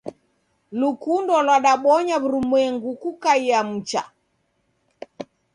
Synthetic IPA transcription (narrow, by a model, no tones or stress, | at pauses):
lukundɔlwaɗaɓɔɲaβuɾumwɛŋɡukukaiam̩t͡ʃa̰